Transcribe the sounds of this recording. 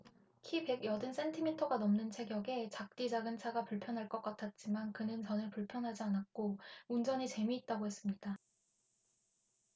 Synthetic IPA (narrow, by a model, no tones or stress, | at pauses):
kʰipe̞ɡjʌdɯns͈ʰe̞ntʰimitʰʌɡanʌmnɯnt͡ɕʰe̞ɡjʌɡe̞t͡ɕak̚t͈id͡ʑaɡɯnt͡ɕʰaɡapuɭpʰjʌnɦaɭk͈ʌk͈atʰat̚t͡ɕ͈imankɯnɯnt͡ɕʌnɯɭpuɭpʰjʌnɦad͡ʑianak̚k͈ound͡ʑʌɲit͡ɕe̞miːt̚t͈aɡohe̞s͈ɯmɲid̥a